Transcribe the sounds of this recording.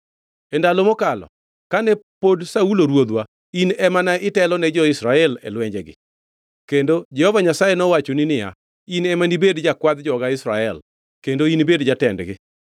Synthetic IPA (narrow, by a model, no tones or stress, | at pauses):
ɛndalomɔkalɔ̰ | kanɛpodsauloɾwod̪wa | inɛmanaɪtɛlɔnɛd͡ʒɔɪsɾaɛlɛ̰lwɛɲd͡ʒɛɡɪ̰ | kendod͡ʒɛhɔvaɲasajɛnɔwat͡ʃoninɪja̰ | inɛmanibedd͡ʒakwad̪d͡ʒɔɡaɪsɾaɛ̰l | kendoinbedd͡ʒatɛndɡɪ̰